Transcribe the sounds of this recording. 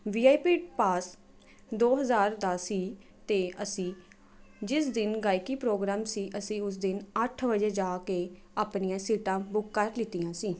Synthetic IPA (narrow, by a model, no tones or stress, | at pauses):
ʋiːaːiːpiːʈpaːs | d̪oːɦəzaːɾd̪aːsiː | t̪eːʔəsĩː | d͡ʒɪsd̪ɪnɡaːikiːpɾoːɡɾaːmsiːʔəsĩːʊs̬d̪ɪnəʈʰbəd͡ʒeːd͡ʒaːkeː | aːpnijãːsiːʈãːbʊkːəɾlɪt̪ijãːsiː